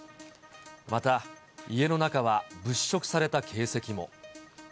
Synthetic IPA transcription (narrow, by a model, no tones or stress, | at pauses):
mat̪a | ie̞no̞nakaβabɯ̟ɕːo̞kɯ̟̥saɾe̞t̪akʰe̞ːse̞kʲimo̞̰